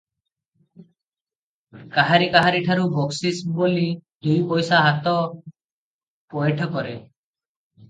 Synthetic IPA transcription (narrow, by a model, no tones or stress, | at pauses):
kaɦaɾikaɦaɾiʈʰaɾubʱoksisbolid̪ujpɔjsaɦat̪ɔ | pɔjeʈʰɔkɔɾe